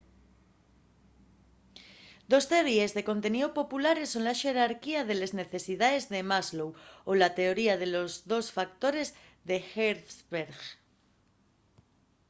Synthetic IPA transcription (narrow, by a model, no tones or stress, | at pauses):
d̪o̞steɾje̞zðe̞ko̞nt̪e̞niðopo̞pulaɾe̞so̞nlaʃe̞ɾaɾkiaðe̞le̞zne̞θe̞siðaðe̞zðe̞mazlowolat̪e̞o̞ɾiaðe̞lo̞zðo̞sfak̚t̪o̞ɾe̞z | ðe̞xeɾsβeɾɣ